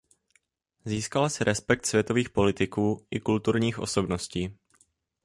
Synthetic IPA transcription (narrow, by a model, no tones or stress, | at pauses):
ziːskalasɪɾʔɛspɛk̚t̪svjɛt̪o̞viːxpo̞lɪt̪ɪkuːʔɪkult̪uɾɲiːxʔo̞̰so̞bno̞sciː